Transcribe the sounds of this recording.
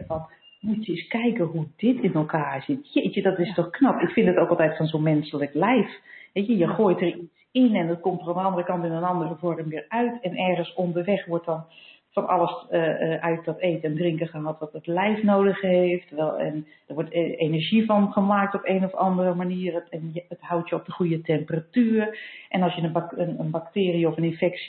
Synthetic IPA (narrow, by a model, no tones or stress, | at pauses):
ɔn | mutjəɪskɛjkəɦudɪtʰɪnəlˠkaːz̥ɪtjet͡ʃədɔtɪstɔxknɑpɪkfɪndətoːkɑlˠtɛjtfɔnzonmɛnsələklɛjfhɛjəjəxoːjtərisɪnɛndɔt̚komtərandəɑndərəkɑntɪnənɑndərəvɔɹəmʋɪːrœɥtʰɛnɛrɣənsondərʋɛxʋʊt̚dɔn | fɔnɑ̰lˠəsəʔœɥt̚dɔteːtəɛndrɪŋkəxəɦɑtʋɔtətlɛjfnoːdəxheftʰəɹʋɛlˠɛ̰n | d̥ərʋɔtenɛrʒifɔnχəmaːk̚tɔpeːnɔfɑndərəmaniːrəɛnjəəthawtjəɔp̚dəxujətʰɛmpəratyːərʔɛnɑlˠsjənəənənbak̚tɪːriəɔfənɪnfɛks